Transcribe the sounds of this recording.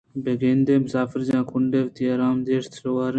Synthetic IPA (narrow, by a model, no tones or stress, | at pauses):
beɡeːnd̪eːmʊsaːfɪɾd͡ʒãːkʰʊɳɖeːʋt̪iːɐɾaːmd̪eːʂt̪ɾowaːɾe